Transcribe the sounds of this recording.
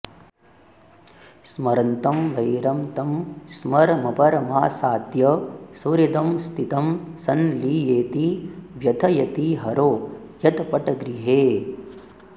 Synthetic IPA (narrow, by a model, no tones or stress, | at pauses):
smɐɾɐnt̪ɐmʋɐjɾɐmt̪ɐmsmɐɾmɐpɐɾɐmaːsaːd̪jɐsɐɾid̪ɐmst̪ʰit̪ɐmsɐnliːjeːt̪iʋjɐt̪ʰɐjɐt̪iɦɐɾoː | jɐt̪ɐpɐʈɐɡɾiɦeː